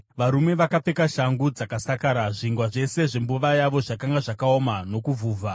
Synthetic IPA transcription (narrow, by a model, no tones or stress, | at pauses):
ʋaɾume̞ʋakap͡fe̞kaʃaŋɡud͡zakasakaːɾaʐiŋɡwaʐe̞se̞ʐe̞mbuʋajaʋo̞ʐakaŋɡaʐakao̞mano̞kuvuːvʱa